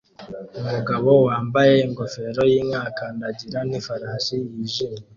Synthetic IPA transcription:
umuɡaβo̞waːmbaje̞iŋɡo̞fe̞ɾo̞jiːmɲaːkandaɟiɾanifaɾaːsijiʒimi

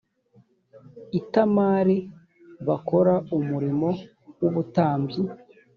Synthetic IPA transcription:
itamaːɾi | βako̞ɾaumuɾimo̞ | wuβutaːmbji

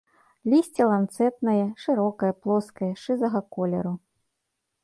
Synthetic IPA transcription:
lʲisʲt͡sʲilˠant̪sɛt̪̚nɐjɛʂɨɾɔkɐjɐplˠɔskɐjɛʂɨzɐɣɐkɔlʲɛ̰ɾu

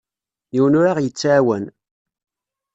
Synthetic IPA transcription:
jiwənʊɾaʁjət͡sːaʕwæn

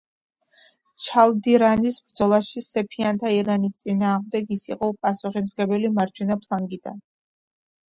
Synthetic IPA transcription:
t͡ʃʰalˠd̪iɾanisbɾd̪zɔlˠaʃisɛpʰiant̪ʰaiɾanist̪sʼinaːʁmd̪ɛɡisiqʼɔpʼasuχimzɡɛbɛlimaɾt͡ʃʰɛnapʰlˠaŋɡid̪̥a̰n

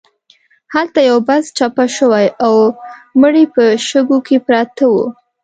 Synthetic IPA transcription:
halt̪ajawbazt͡ʃapaʃəwajawməɽipəʃəɡokepɾɑt̪awṵ

